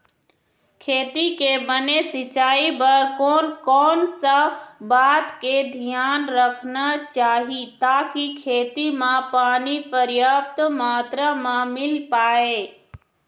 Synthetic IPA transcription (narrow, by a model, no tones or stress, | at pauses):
kʰeːt̪ikebənesɪt͡ʃaːibəɾkoːnkɔːnsəbaːt̪ked̪ʱijaːnɾəkʰnat͡ʃaːɦit̪aːkikʰeːt̪imãpaːnipəɾjaːpt̪maːt̪ɾamãmɪlpaːeː